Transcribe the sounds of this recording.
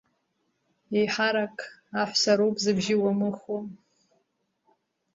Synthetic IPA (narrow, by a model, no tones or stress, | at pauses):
ejħaɾakʼaħʷsaɾowpʼzɨbʒɪwamɨχom